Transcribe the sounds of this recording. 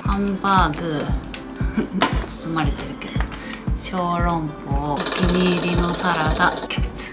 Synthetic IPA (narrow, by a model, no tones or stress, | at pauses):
hãmbaːɡɯ̟ | t͡sɨ̥t͡sɨmaɾe̞t̪e̞ɾɯ̟ke̞d̪o | ɕo̞ːɾõ̞mpoːkʲimʲiɾʲino̞saɾad̪akʲebet͡sɨ̥